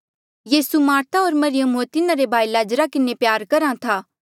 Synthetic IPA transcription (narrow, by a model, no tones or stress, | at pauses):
jiːsumaːɾt̪ʰaoːɾmɐɾɪjəmot̪ɪnãɾebʱaːilaːd͡ʒɾakɪnepjaːɾkɐɾãt̪ʰaː